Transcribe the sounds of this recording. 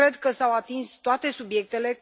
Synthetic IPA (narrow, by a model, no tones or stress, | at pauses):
ɾe̞d̪kəsawat̪inst̪oat̪e̞subje̞k̚t̪e̞le̞